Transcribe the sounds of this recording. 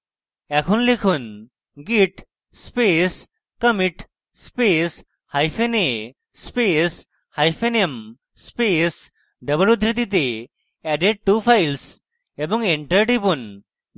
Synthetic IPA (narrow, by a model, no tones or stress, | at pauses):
ɛkʰunlikʰun | ɡiʈ | spes | kəmiʈ | spes | hajpʰene | spes | hajpʰenem | spes | ɖəboɾud̪ʱɾit̪it̪̬e | ɛɖeɖ̚ʈupʰajls | ebɔŋeɳʈəɾʈipun